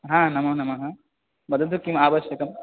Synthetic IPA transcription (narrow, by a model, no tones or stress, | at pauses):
ɦãːnɐmɐnɐmɐɦã | bɐd̪ʱːɐd̪ukimaːʋɐʃjɐkɐm